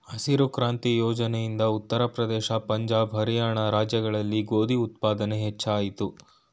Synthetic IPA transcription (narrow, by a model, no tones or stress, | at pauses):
ɐsiɾukɾaːnt̪ijɔːd͡ʒɐnɛjind̪ɐut̪ːɐɾɐpɾɐd̪ɛːʃɐpɐɲd͡ʒaːbɦɐɾijaːɳɐɾaːd͡ʒjɐɡɐɭɐlːiɡoːd̪iut̪̚paːd̪ɐneɦɛt͡ʃːaːjit̪u